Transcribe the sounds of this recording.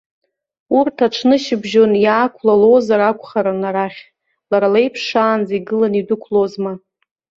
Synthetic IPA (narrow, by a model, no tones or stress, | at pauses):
urtʰaʈ͡ʂʰnɨʃɪbʒo̞njaːkʷʰlalo̞zaɾakʷʰχaɾanaɾaχʲ | laɾalejpʰʂaːnd͡zaiɡɨlanidʊkʷʰlozma